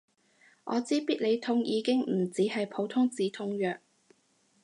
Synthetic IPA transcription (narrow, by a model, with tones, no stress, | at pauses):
ʔɔ̰ː˨˧t͡siː˥piː˥t̚le˨˧jt̪ʰʊ˥ŋjiː˨˧kɪ˥ŋm̩˨˩t͡siː˨˥hɐ˨jpʰo˨˥wt̪ʰʊ˥ŋt͡siː˨˥t̪ʰʊ˧˥ŋjœː˨k̚